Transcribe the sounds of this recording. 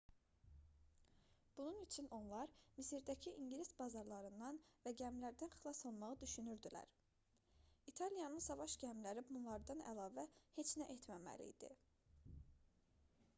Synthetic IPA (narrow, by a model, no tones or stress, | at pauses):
b̥ununyt͡ʃʰyno̞nlˠɑɾmisiɾd̪æcʰiʔiɲɟlisbɑzɑɾlˠɑɾɯnd̪ɑnvæɟæmlæɾd̪ænxlˠɑsɑlˠmɑʁɯd̪yʃynyɾd̪ilæ̰ɾ | it̪ʰɑlijɑnɯnsɑvɑʃɟæmlæɾibunlˠɑɾd̪ɑnæ̰lˠɑːvæhe̞t͡ʃnæʔet̪ʰmæmæ̰lḭjd̪̥ḭ